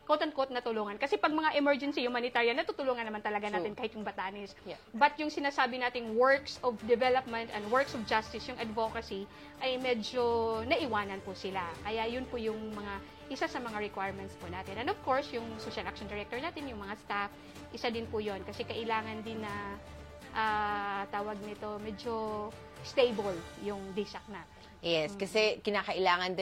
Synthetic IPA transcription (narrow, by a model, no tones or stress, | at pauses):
kot̪ɐnkot̪̚nɐt̪ʊluːŋɐnkɐsɛpɐɡ̚mɐŋaʔɪmɛɹd͡ʒɛnsijʊŋmanɪt̪aɹjɐnɐt̪uːt̪ʊluːŋɐnɐmant̪ɐlɐɡanaːt̪ɪnkaːhɪt̪jʊŋbɐt̪anɪsbɐt̪jʊŋsɪnaːsaːbɪnaːt̪ɪŋwɛɹksɔvd̪ɛvɛlɐp̚mɛnt̪ɛnd̪wɛɹksɔvd͡ʒast̪ɪsjʊŋʔɐd̪vokɐsi | ʔɐjmɛd͡ʒonɐʔɪwaːnɐnpʊsɪlakɐjajʊnpʊjʊŋmɐŋa | ʔɪsasɐmɐŋaɹɛkwajɹmɛnt̪spʊnaːt̪ɪnɛ̃nofkoɹsjʊŋsoːʃɐlʔak̚ʃond̪ɪɹɛk̚t̪ɔɹnaːt̪ɪnjʊŋmɐŋast̪af | ʔɪsad̪ɪnpʊjonkɐsɛkɐʔɪlaːŋɐnd̪ɪnːɐ | ʔaːt̪aːwɐɡ̚nɪt̪o̞mɛd͡ʒo | st̪ejboljʊŋd̪ɪsɐk̚nɐ | jɛskɐsɛkɪnaːkɐʔɪlaːŋɐnd̪